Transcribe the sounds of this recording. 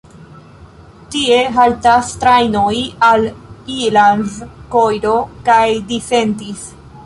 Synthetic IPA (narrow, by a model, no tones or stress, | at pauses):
tie̞ɦaltastɾajno̞jalilanzkojɾo̞kajdife̞ndis